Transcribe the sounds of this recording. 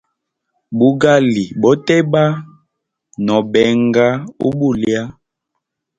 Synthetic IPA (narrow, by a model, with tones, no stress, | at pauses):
bu˦ɡa˦li˨bɔ˨˦tɛ˦ba˦ | nɔ˨bɛ˨ŋɡa˦ṵ˦bu˦˨lja˦